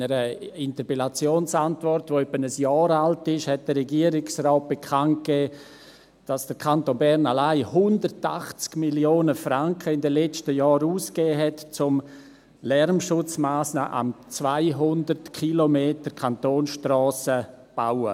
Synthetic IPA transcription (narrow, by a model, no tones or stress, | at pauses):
nəɾəɪntəpelat͡sjoːnsantvɔrtvoɛpːənəsjɑːɾaltɪʃhɛt̚d̥ərːɛɡiəɾɪksrɔːt̚b̥ekʰant̚kɛː | d̥asd̥əɾkʰantonbɛɾnalaɪhʊndəɾtaχt͡skmiljoːnəfraŋkʰəɪndɛlɛt͡ʃtəjɑːɾuːskɛːɦɛtt͡sʊm | lɛrmʃʊt͡smaːsnaʔa̰mt͡svaɪɦʊndərtkʰilomeːtəɾkʰantoːnsʃtrɔːsəb̥awə